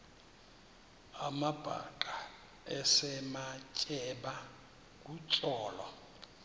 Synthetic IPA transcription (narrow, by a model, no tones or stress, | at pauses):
amab̥ʼʱa̰kʼa | ɛsɛmat͡ʃʼɛba | k̬ʼut͡ʃʼɔːlɔ